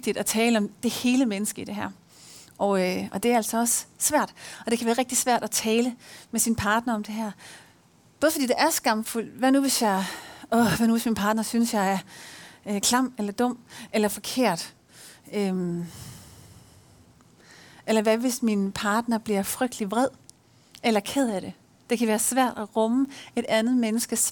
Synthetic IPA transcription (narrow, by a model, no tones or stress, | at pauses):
eɡ̥̚d̥id̥æt͡sʰɛːləɒ̽md̥e̝he̝ːləmenəsɡ̥əid̥e̝ɦæɐ̰ | ʔɒøɒ̽d̥e̝æɐæl̰sɒ̽ɒ̽ssʋæɐ̰d̥ɒ̽d̥e̝kʰæʋæːɐʁeɡ̥̚d̥i̥sʋæɐ̰d̥æt͡sʰɛːləmesinpʰɑ̈ːd̥nɐɒ̽md̥e̝ɦæɐ̰ | b̥ɔ̽ðfd̥ḭːd̥eʔæɐsɡ̥ɑ̈m̰ful̰ʋæɐnuʋe̝sjɑ̈ɪɔʋæɐnuʋe̝sminpʰɑ̈ːd̥nɐsynəsjɑ̈ɪæɐ | kʰlɑm̰elɐd̥ɔ̽m̰elɐfɒ̽kʰe̝̰ɐ̰d̥ | øm | elɐʋæʋe̝sminpʰɑ̈ːd̥nɐb̥liɐfʁœɡ̥̚d̥liʋʁɛð̰ˠ | ʔelɐkʰeð̰ˠæɾ̥e̝ | d̥ekʰæʋæːɐsʋæɐ̰d̥æʁɔməe̝ɾ̥ænð̞̩ˠmenəsɡ̥əs